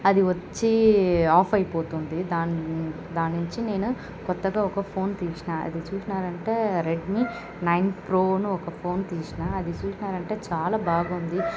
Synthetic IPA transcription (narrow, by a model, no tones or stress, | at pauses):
ɐd̪iʋɐt͡ʃːiaːpʰɐjpo̞ːt̪und̪id̪aː | d̪aːnːuɲt͡ʃine̞ːnu | kɔt̪ːɐɡaːɔkɐpʰo̞ːnt̪iːʂinaːɐ̰d̪it͡ʃuːsinaːɾɐɳʈe̞ːɾeɖmi | nɐjnpɾoːnuɔkɐpʰo̞ːnt̪iːʃinaɐd̪it͡ʃuːsinaːɾɐɳʈe̞ːt͡ʃaːlaːbaːɡaund̪i